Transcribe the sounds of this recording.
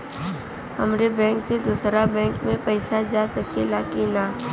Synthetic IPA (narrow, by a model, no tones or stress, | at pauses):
ɦɐmɾebɛ̃ːŋksed̪uːsɾabɛ̃ːŋkmẽpɛɪsad͡ʒasɐkʰelaːkina